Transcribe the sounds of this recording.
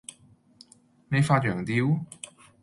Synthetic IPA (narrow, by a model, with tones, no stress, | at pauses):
me˨˧jfaː˧t̚ɥœː˨˩ŋt̪iː˧w